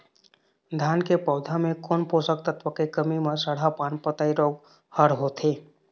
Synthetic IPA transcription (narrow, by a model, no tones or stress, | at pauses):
d̪ʱaːnkepəʊd̪ʱamẽkonpoːsək̚t̪ət̪ʋəkekəmimesəɽ̤apaːnpət̪aiɾoːɡ | həɾɦot̪ʰeː